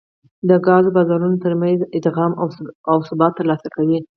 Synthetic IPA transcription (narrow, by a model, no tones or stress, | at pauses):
d̪əɡɑzobɑzɑɾunot̪əɾmanzɪd̪ɣɑmaawsʊbɑt̪ːəɾlɑsakawi